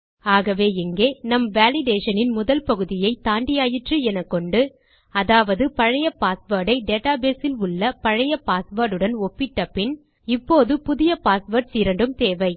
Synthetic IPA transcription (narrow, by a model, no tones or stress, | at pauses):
aːɣɐʋeːɪŋɡeːnɐmʋaːlɪɖeːʂɐnɪnmʊðɐlpɐɣɯðɪjɐɪt̪aːɳɖɪjaːjɪʈrɯɛnɐkːɔɳɖɯ | ɐðaːʋɐðɯpɐɻɐjɐpaːsʋɐːɾɽɐɪɖeːʈːaːbeːsɪlʊɭːɐpɐɻɐjɐpaːsʋɐɾɽɯɽɐnɔpːɪʈːɐpːɪn | ɪpːoːðɯpʊðɪjɐpaːsʋɐɾʈ̚siːɾɐɳɖɯmt̪eːʋɐɪ